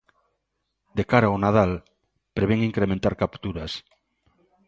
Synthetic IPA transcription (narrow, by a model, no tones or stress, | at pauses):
d̪ekaɾaonað̞al | pɾeβ̞eŋiŋkɾemẽnt̪aɾkapt̪uɾas